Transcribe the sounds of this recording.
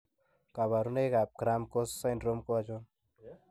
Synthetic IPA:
kaβaɾuneɡap̚ɡɾamkossajnɖɾomkoad͡ʒon

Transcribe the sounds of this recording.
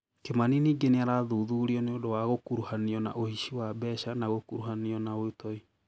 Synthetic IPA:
kemaniniːɡeneaɾaːðuːðuɾiɔneodowaɣokuɾuhaniɔna̰ʔohiʃiwabɛʃanaɣokuɾuhaniɔnaoetɔi

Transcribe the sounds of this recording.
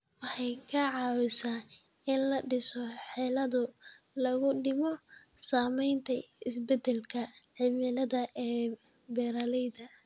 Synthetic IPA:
wɑħɑjkʰɐʕɑːwɪsaː | ɪnlɐɖɪsɔħɛlɐðʊ | lɐɣʊɖɪmɔ | saːmɛjnt̪ʰɐɪsbɛd̪ɛlkʰɐʕɪmɪlɐðɐʔɛː | bɛːɾɐlɛjðɐ

